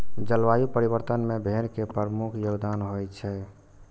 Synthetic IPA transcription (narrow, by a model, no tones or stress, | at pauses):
d͡ʒəlʋajupəɾiβəɾt̪ənmebʱeɾkepɾəɾmukʰjoɡd̪anɦojt͡ʃʰɛ